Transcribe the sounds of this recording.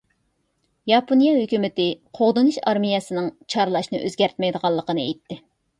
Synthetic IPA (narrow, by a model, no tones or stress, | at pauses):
jɑpʰonijɑɦøkʲymɪt̪ɪqʰoʁd̪ɨnuʃɑɾmijɛsɨnɨŋt͡ʃʰɑɾlˠɑʃnɨʔøzɡʲæɾt̪mɛjd̪əʁɑlˠːəqənɨḛjt̪ʰːɪ